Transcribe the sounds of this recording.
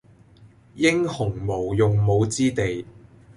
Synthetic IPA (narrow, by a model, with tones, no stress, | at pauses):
jɪ˥ŋhʊ˨˩ŋmo˨˩wjʊ˨ŋmo˨˧wt͡siː˥t̪e˨j